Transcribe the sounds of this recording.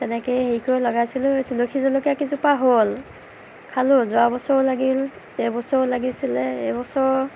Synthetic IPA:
tɛnɛkejɦeikojlɔɡajsilʊetulokʰizɔlokakizupaɦol | kʰalʊzɔabɔsɔlaɡil | ɛbɔsɔlaɡisilɛɛbɔsɔɹ

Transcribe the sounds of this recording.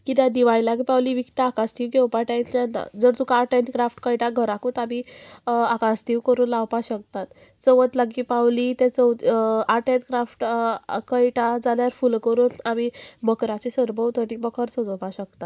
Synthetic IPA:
kit̪jãd̪iʋailaɡipawliːʋikt̪aakast̪iʋɡewpaʈajanːa̰d͡zəɾt̪ukaːʈenkɾafʈkəjʈaɡʱəɾakuːt̪ami | akãst̪iːwkəɾuːnlawpaɕək̚t̪at̪ | t͡səʋət̪laɡipawlit̪ɛ̃t͡səw̪aʈent̪kɾafʈkəjʈad͡zaljaɾfulkəɾuːnamiməkɾat͡ɕesəɾbəwt̪ʰəʈikbəkʰəɾt͡sod͡zəwpaɕəkt̪at̪

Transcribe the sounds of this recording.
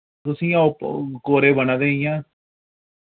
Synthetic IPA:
t̪ʊsĩːãːopkoːɾeːbənãːd̪eːijãː

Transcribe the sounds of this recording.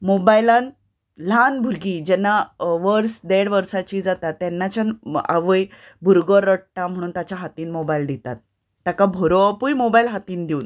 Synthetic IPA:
mobajlãn | l̤anbʱuɾɡiːd͡ʑɛnːaʋəɾsd̪eɽʋəɾsat͡ɕiːd͡zat̪at̪ːɛnːat͡ɕana̰ʋəj | bʱuɾɡəɾəʈʈːãm̤əɽ̃uːnt̪at͡ɕjaɦat̪iːnmobaild̪it̪at̪̚ː | jakabʱɔɾopujmobailɦat̪iːnd̪iuːn

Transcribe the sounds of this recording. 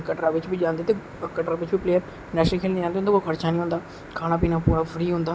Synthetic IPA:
kəʈɾaːʋɪt͡ʃbiːd͡ʒãːnd̪iːt̪e | kəʈɾaːʋɪt͡ʃbipleːəɾ | nɛːʃkʰeːlnĩːd͡ʒãːnd̪iɦːnd̪akokʰəɾt͡ʃaːnĩːɦʊ̃ːnd̪aː | kʰaːɽ̃ãːp̬iːnapuːɾaːfʰɾiːɦʊ̃ːnd̪aː

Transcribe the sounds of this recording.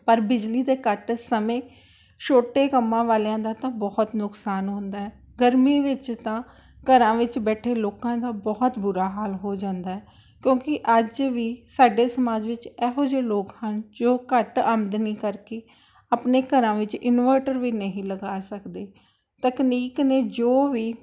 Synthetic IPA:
pəɾbɪd͡ʒliːd̪eːkəʈsəmẽː | ʃoːʈeːkəmːãːʋaːlãːd̪aːt̪ãːbɔːt̪nʊksaːnɦõːnd̪aːɦɛː | ɡəɾmiːʋɪt͡ʃt̪ãː | kəɾãːʋɪt͡ʃbɛːʈʰeːloːkãːd̪aːbɔːt̪bʊɾaːɦaːlɦoːd͡ʒãːnd̪aːɛː | kjõːkɪʔəd͡ʒʋiːsaːɖeːsəmaːd͡ʒʋɪt͡ʃɛːɦoːd͡ʒeːloːkhənd͡ʒoːkəʈəmd̪niːkəɾkeː | aːpneːkəɾãːʋɪt͡ʃɪnʋəːʈəɾʋiːnəɦĩːləɡaːsəkd̪eː | t̪əkniːkneːd͡ʒoːʋiː

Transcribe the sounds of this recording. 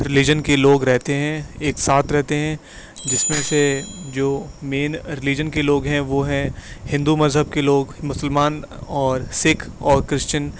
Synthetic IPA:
ɾɪlɪd͡ʒənkeloːɡɾɛɦt̪eɦɛ̃eːksaːt̪ʰɾɛɦt̪eɦɛ̃ | d͡ʒɪsmẽsed͡ʒoːmeːnɾɪlid͡ʒənkeloːɡɦɛ̃ʋoɦɛ̃hɪ̃nd̪umɐzɦəb̚keloːɡmʊsəlmaːn | ɔːɾsɪkʰɔːɾkɾɪʃt͡ʃən

